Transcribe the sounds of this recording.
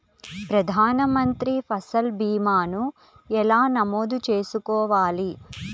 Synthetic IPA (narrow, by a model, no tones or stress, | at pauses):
pɾɐd̪ʱaːnɐmɐnt̪ɾipʰɐsɐlbiːmaːnu | ɛlaːnɐmoːd̪ut͡ʃe̞ːsukɔːʋaːli